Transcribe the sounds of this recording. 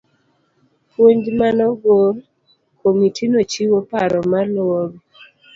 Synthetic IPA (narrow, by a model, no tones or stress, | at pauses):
pwoɲd͡ʒmanɔɡoɾ | komitʰinot͡ʃiwopaɾɔmalwoɡ